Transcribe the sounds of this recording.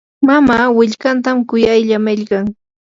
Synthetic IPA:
mamaːwɪʎkant̪amkʊjajʎamɪʎkɑŋ

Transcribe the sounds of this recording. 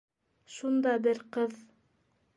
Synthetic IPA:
ʃund̪ɑbɘɾqɤð

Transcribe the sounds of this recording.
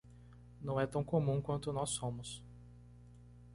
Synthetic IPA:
nɐ̃w̃ɛt̪ɐ̃w̃komũkwɐ̃nt̪ʊnɔsːõmʊs

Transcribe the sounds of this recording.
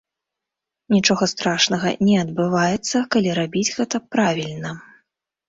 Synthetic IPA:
nʲit͡ʂɔɣɐst̪ɾaʂnɐɣɐ̰nʲɛɐd̪bɨvajɛt̪sːɐkalʲiɾabʲid͡zʲɣɛt̪ɐpɾavʲilʲnɐ

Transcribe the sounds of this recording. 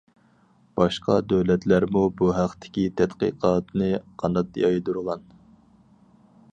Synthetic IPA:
b̥ɑʃqɑ̰d̪øwlɛt̪ʰlæɾmubuɦæqt̪ʰɪ̥kʲit̪ʰɛt̪qə̰qʰɑːt̪nɨqʰɑnd̪ɑt̪̚jɑjd̪uɾʁɑn

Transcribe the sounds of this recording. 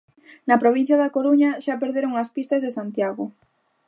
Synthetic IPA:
nɐpɾoβ̞ĩn̟θjaðakoɾuɲaʃapeɾðeɾoŋaspist̪azðesant̪jaɣo

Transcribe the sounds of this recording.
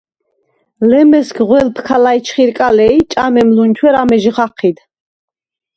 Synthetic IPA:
lɛmɛskʁwɛlpʰkʰalait͡ʃʰχiɾkʼalɛjt͡ʃʼamɛmlunt͡ʃʰwɛɾamɛʒʁaqʰid̪

